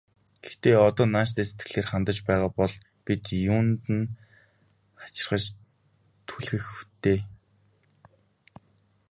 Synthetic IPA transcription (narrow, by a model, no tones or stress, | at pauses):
ɡ̥ext̪eːɔt̪ɔːnaːʃt̪eːse̥t̪ɡɘ̥̆ɮeːrχant̪ə̆t͡ɕpæːʁaːpɔɮ | pit̪juːnt̪ɘ̆n | χḁt͡ɕɪ̆rχə̆t͡ɕ | t̪ʰuɮxɘ̆xt̪ʰeː